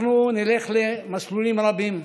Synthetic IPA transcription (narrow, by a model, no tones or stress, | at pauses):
nunileχlemaslulimɾabim